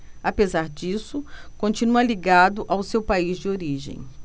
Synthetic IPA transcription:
apezaɾd͡ʒisʊkõnt͡ʃinuɐliɡad̪ʊʔawsewpaizd͡ʒɪoɾiʒḛ̃j̃

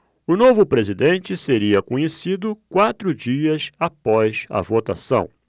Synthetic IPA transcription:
ʊnovʊpɾezid̪ẽnt͡ʃɪseɾiɐkõɲesid̪ʊkwat̪ɾʊd͡ʒiɐsapɔjzɐ̰vot̪asɐ̃w̃

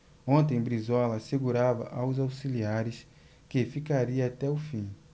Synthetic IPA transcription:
õnt̪ẽj̃bɾizɔlɐseɡuɾavɐ̰ʔawzawsiliaɾɪs | kefikaɾiɐat̪ɛʊfĩ

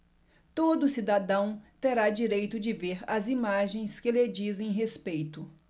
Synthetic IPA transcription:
t̪od̪ʊsid̪ad̪ɐ̃w̃t̪eɾad͡ʒiɾejt̪ʊd͡ʒɪveɾɐzimaʒẽj̃skɪled͡ʒizẽj̃ɦespejt̪ʊ

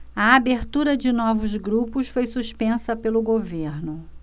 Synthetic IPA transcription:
ɐabeɾt̪uɾɐd͡ʒɪnɔvʊzɡɾupʊsfojsuʃpẽsɐpelʊɡoveɾnʊ

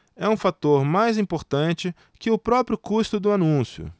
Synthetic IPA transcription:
ɛũfat̪oɾmajzĩpoɾt̪ɐ̃nt͡ʃɪ | kɪʊpɾɔpɾjʊkust̪ʊd̪ʊanũsjʊ̰

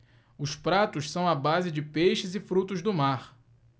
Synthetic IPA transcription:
ʊspɾat̪ʊʃsɐ̃w̃abazɪd͡ʒɪpejʃɪzɪfɾut̪ʊzd̪ʊmaχ

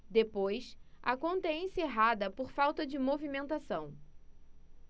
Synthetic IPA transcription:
d̪epojsa̰kõnt̪ɐẽseɦad̪ɐpoɾfawt̪ɐd͡ʒɪmovimẽnt̪asɐ̃w̃

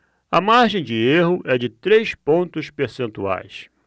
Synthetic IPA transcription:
ɐmaɾʒẽj̃d͡ʒɪeɦʊʔɛd͡ʒɪt̪ɾejspõnt̪ʊspeɾsẽnt̪ua̰js

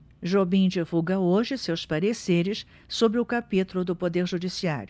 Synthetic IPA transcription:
ʒobĩd͡ʒivuɡɐoʒɪsewspaɾeseɾɪs | sobɾɪʊkapit̪ʊlʊd̪ʊpod̪eɾʒud͡ʒisia̰ɾjʊ

